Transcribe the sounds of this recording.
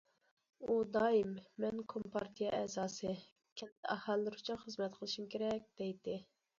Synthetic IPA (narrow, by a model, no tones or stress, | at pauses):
ud̪ɑːimːɛnkʰompʰɑɾt̪ʰijɛʔɛzɑːsɨ | kʲʰɛt̪ʰːɛʔɑhɑlːɨɾut͡ʃʰunχəzmɛt̪qʰəlˠɨʃimkʲʰeɾɛk̚ʲd̪̥ɛjd̪ɪ